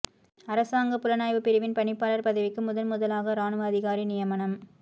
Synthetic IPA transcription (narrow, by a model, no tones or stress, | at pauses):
ɐɾɐsaːŋɡɐpʊlɐnaːjʋɯpɪɾɪʋɪnpɐɳɪpːaːlɐɾpɐðɪʋɪkːɯmʊðɐlmʊðɐlaːɣɐɾaːnɯʋɐɐðɪɣaːɾinɪjɐmɐnɐm